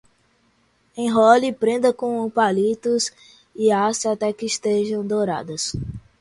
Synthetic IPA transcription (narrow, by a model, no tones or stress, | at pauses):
ẽj̃ɦɔlipɾẽnd̪ɐkõupalit̪ʊs | ɪasɐat̪ɛkɪːʃt̪eʒɐ̃w̃d̪oɾa̰d̪ɐs